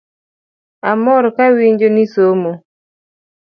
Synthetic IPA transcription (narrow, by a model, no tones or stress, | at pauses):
amɔɾkawiɲd͡ʒonisomo